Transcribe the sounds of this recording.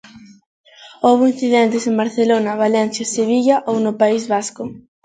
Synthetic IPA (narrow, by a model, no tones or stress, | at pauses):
owβoin̟θiðɛnt̪ɪseŋbaɾθelonɐβalɛnθjaseβiʎɐʔownʊpaizβaskʊ